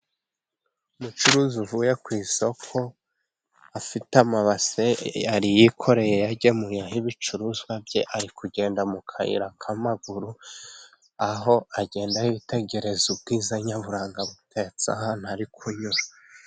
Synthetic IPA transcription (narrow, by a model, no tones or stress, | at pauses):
umut͡ʃuɾuːzuvuːje̞kwiːso̞kʰo̞ | afitamaβasejaɾijikʰo̞ɾe̞je̞jaɟe̞mujaɦiβit͡ʃuɾuzwabje̞ʔaɾikuɟe̞ːndamukʰaḭɾakʰamaɡuɾu | aɦo̞aɟe̞ːndahiβite̞ɟe̞ɾe̞zub̚ɡiːzaɲaβuɾaːŋɡaβutʰet͡sa̰ɦaːn̥uaɾikʰuɲuɾa